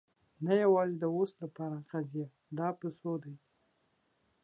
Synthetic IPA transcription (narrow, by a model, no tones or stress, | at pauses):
najawɑzed̪əoslapɑɾaqazija | d̪ɑpəsod̪aj